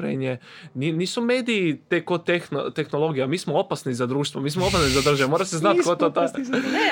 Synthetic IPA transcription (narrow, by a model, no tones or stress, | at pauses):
ɾḛɲeniniːsume̞ːd̪iit̪ekot̪exnot̪exnolˠo̞ɡijamiːsmoopasnizad̪ɾuːʃt̪ʋomiːsmoopasnizad̪r̩ʒamoɾaseznat̪kot̪ot̪o